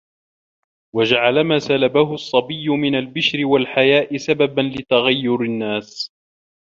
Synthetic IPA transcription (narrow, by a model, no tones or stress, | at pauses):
wad͡ʒaʕalamaːsalabaɦʊɑsˤːɑbɪjːʊmɪnalbɪʃɾɪwalħajaːʔɪsababanlɪt̪aɣajːʊɾɪnːaːs